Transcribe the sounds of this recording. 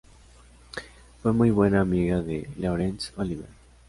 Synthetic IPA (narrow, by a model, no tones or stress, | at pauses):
fwemujβwe̞naːmiɣaðelowɾensoliβeɾ